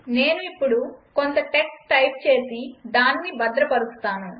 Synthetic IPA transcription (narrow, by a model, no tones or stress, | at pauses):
ne̞ːnuipːuɽuko̞nt̪ɐʈe̞ksʈɐjp̚t͡ʃe̞ːsid̪aːnnibɐd̪ɾɐpɐɾust̪aːnu